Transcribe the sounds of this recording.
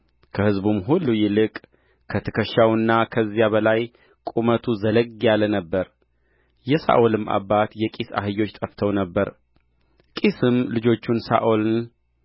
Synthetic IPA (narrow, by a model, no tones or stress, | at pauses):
kʰəhɨzbumɦulːujɪlɨkʼ | kʰət̪ʰɨkʰəʃawɨnːakʰəzːijaβəlaj | kʼumət̪ʰuzələɡijalənəbːəɾ | jɛsa̰ʔolɨma̰bːat̪jɛkʼisa̰ɦɨjːo̞t͡ʃːt̪ʼəft̪ʰəwnəbːəɾ | kʼisɨmlɨd͡ʒo̞t͡ʃːunsa̰ʔol